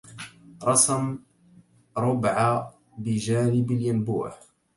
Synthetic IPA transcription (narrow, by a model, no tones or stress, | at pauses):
ɾˤɑsˤm | ɾˤʊbʕa | bɪʒaːnɪbaljanbṵːħ